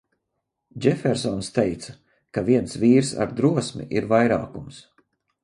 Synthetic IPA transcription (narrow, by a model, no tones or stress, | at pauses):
d͡ʒɛfɛɾsɔnst̪ejt̪sa | kaviɛnsviːɾsa̰ɾd̪ɾuɔsmḭʔiɾvajɾa̰ːkums